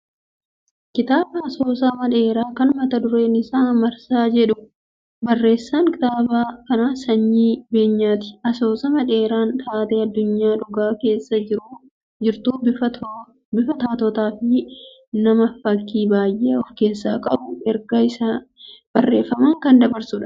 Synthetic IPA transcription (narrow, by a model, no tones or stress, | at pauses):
kɪt̪aːbɐɐsoːsaːmɐᶑe̞ːɾaːkɐnmɐt̪ɐd̪ʊɾe̞ːnɪsaːmɐɾsaːd͡ʒɛᶑʊ | bɐrːe̞ːsːaːŋkɪt̪aːbaːkɐnaːsɐɲːiːbe̞ːɲːaːt̪ɪ̥ɐso̞ːsɐmɐᶑe̞ːɾaːnt̪ʰaːt̪eːɐd̪ːʊɲːaːᶑʊɡaːke̞ːsːɐd͡ʒɪɾʊ | d͡ʒɪɾt̪uːbɪɐ | bɪfɐt̪aːt̪ɔt̪aːfɪ | nɐmɐfɐkːiːbaːjʔeːɔfke̞ːsːaːkʼɐbʊɛɾɡɐɪsab̥ɐrːeːfːɐmaːŋkɐnd̪ɐbɐɾsʊᶑɐ̥